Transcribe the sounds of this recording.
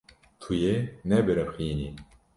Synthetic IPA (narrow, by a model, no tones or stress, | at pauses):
t̪ʰujenɛbɛɾɛpxiːni